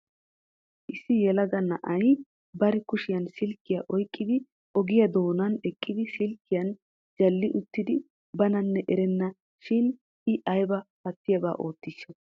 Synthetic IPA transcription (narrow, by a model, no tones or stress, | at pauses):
ʔɪsːɪjɛlɐɡɐnːɐʔɐj | bɐɾɪkʊʃɪjɐnsɪlkːɪjɐʔɔjkʼːɪd̪ɪ | ʔɔɡɪjɐd̪o̞ːnɐnɛkʼːɪd̪ɪsɪlkːɪjɐn | d͡ʒɐlːɪʔʊt̪ːɪd̪ɪ | bɐnɐnːɛʔɛɾɛnːɐ | ʃɪn | ɪʔɐjbɐpɐt̪ːɪjɐba̰ːʔo̞ːt̪ːɪʃːɐ